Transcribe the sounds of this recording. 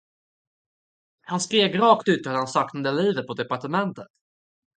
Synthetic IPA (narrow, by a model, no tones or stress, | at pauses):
hanskɾeːɡɾɑːkt̪ʉ̟ːt̪ːhalhansɑːknand̪əliːvət̪̚pʰɔd̪ɛpaʈəmɛnt̪ət̪